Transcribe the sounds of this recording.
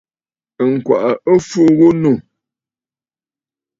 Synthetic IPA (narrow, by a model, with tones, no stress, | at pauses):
ŋ̩˨kwa̰˨ʔə˨ə˦fu˦ɣu˦nu˦˨